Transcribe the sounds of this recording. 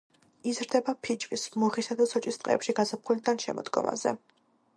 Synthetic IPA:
izɾd̪ɛbapʰid͡ʒvismuχisad̪asɔt͡ʃʼist̪ʼqʼɛ̰ːpʃiɡazapχulid̪anʃɛ̰mɔ̰d̪ɡɔ̰ma̰zɛ̰

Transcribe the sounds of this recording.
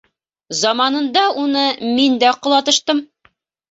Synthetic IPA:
zɑmɑnɤ̆nd̪ɑunɤmind̪æqŏlˠɑt̪ɤ̆ʃt̪ɤm

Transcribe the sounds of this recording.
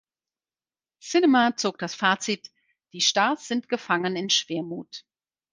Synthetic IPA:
sɪnɛmat͡soːk̚d̥asfaːt͡sit | d̥iːʃtaːsz̥ɪntɡ̥əfaŋənɪnʃv̥eːɐmuːt

